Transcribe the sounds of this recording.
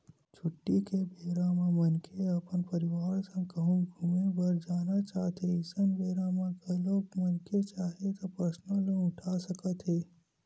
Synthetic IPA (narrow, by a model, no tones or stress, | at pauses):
t͡ʃʰʊʈːikebʱeːɾãmãmənkʰeəpənpəɾiʋaːɾsə̃kəɦũɡʱumẽbəɾd͡ʒaːnat͡ʃaːɦt̪ʰeɪsənbʱeːɾamãɡəloːɡmənket͡ʃaːɦet̪opəsnõleʊʈʰasəkət̪ɦeː